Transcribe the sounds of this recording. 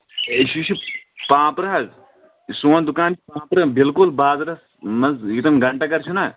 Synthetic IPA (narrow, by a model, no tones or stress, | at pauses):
eʃit͡ʃʰipãːpɾɐɦɐz | soːnd̪ʊkaːnt͡ʃipãːpɾɐbɪlkʊlbaːzɾɐs | mɐzɪt̪ɐmɡɐɳʈakɐɾt͡ʃʰunaː